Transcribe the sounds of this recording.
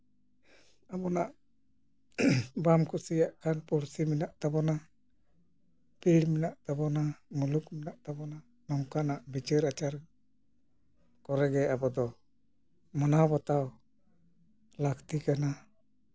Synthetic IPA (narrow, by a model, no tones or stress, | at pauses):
abɔnaʔ | bamkusijaʔkʰanpuɾsiminaʔt̪abɔna | piɽminaʔt̪abɔnamulukminaʔt̪abɔna | nɔŋkanaʔbit͡ʃəɾat͡ʃaɾ | kɔɾɛɡɛabɔd̪ɔ | mɔnabɔt̪aw | lakʰt̪ikana